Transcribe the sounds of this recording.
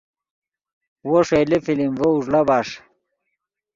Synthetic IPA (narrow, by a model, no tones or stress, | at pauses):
woʂelefilimvouʐlabaːʂ